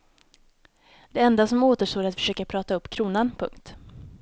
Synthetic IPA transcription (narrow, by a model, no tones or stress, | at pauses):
d̪̥ɛɛnd̪asɔmoːt̪əʂʈoːɾat̪fœ̥ʂøːkapʰɾɑːt̪aɵpːkʰɾuːnanpʰɵ̰ŋkt̪